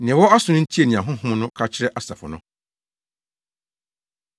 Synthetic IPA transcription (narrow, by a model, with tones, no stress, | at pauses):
nɪ̃˨wɔ˦a˦sʊ̃˨nʊ̃˦n̩˦tʰi˦e˨nĩ˨ã˨ɦʊ̃˦ɦʊ̃˦m˦nʊ̃˦kʰa˦t͡ɕʰɪ˦ɾɛ˦ʔa˨sa˨fʊ̰˨nʊ̃˦